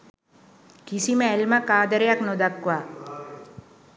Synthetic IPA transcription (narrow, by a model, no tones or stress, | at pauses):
kisiməælməkaːd̪əɾejaknod̪akʋaː